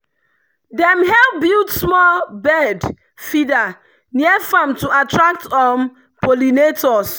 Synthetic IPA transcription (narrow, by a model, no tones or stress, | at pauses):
dɛ̃mɦɛlbiltsmɔlbɛd | fida | niɛfãmtuatɹak̚tɔm | polinetʰɔs